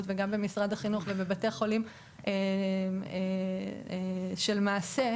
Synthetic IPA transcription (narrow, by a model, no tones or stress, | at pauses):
tveɡambe̞misʁadaχinuχvebebateχo̞lim | ʔe | e | ʃelmaːse